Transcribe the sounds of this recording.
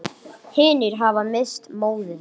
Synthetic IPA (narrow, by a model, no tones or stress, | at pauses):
hɪːnɪɾ̥ɦavamɪst̪moːwðʏ